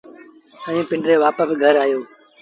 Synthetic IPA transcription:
əʋĩːpɪɳɖɾeːʋaːpəsɡʱəɾaːjoː

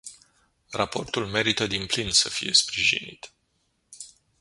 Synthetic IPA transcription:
rapo̞rt̪ulme̞ɾit̪əd̪implinsəfije̞spɾiʒḭnḭt̪

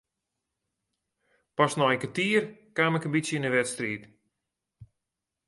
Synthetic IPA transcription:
pɔsnɔənkətiərkaːmɛkənbitsjəinəʋɛtstriːt

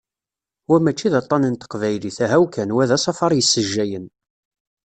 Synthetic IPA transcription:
wæmæt͡ʃːiðɑt̪ˤːɑnənt̪ə̥qvæjliθæɦæwkænwæðæsˤɑfɑɾˤjəsːəʒːæjən

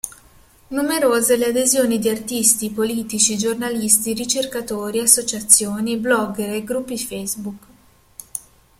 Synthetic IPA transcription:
numeɾoːzelead̪ezjoːnid̪iart̪ist̪ipoliːt̪it͡ʃid͡ʒornalist̪iɾit͡ʃerkat̪oːɾiasːot͡ʃat̪sːjoːniblɔɡeɾeɡɾupːifejzbuk

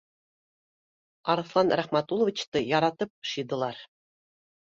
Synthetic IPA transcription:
ɑɾɤ̆θlˠɑnɾæχmæt̪ulˠɤ̆vʲit͡ɕt̪ɤjɑɾɑt̪ɤp̚ʃɤ̆d̪ɤ̆lˠɑɾ

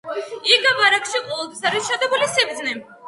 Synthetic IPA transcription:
iɡabaɾakʃiqʼɔvɛlˠt̪ʰwi̥saɾisʃad̪ɛbulisibd̪zni

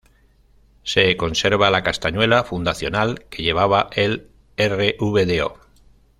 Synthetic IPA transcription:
se̞ko̞nse̞ɾβalakast̪aɲwe̞lafund̪aθjo̞nalke̞ʝe̞β̞aβaʔel | ereʔuβeðeo̞̰

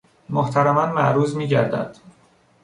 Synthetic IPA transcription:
moht̪ʰæɾæmænmæʔɾuːzmiːɟæɾd̪æ̰d̪̥

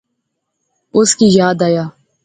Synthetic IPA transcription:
ʊskiːjaːd̪aːjaː

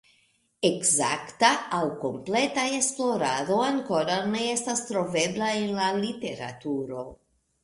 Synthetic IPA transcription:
ekza̰ktaːwko̞mple̞taesplo̞ɾado̞aŋkoɾane̞estast̪ɾo̞ve̞blaenlalit̪e̞ɾa̰t̪uɾo̞

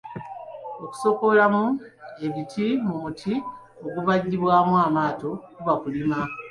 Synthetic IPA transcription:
o̞ku̥so̞ko̞lamue̞βitʰimuutʰi | o̞ɡuβaɟːiβwaːmwaːmaːto̞kuβakulima

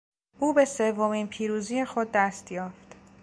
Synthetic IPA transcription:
ʔuːbese̞vːomiːnpʰiːɾuːziːjexod̪̚ːæst̪jɒːft̪

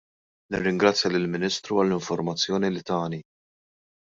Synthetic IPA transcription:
nɪrːɪŋɡɾɐt͡sːjɐlɪlmɪnɪːst̪ɾuɐlːɪɱfɔɾmɐt͡sːjɔːnilɪt̪ɐːni

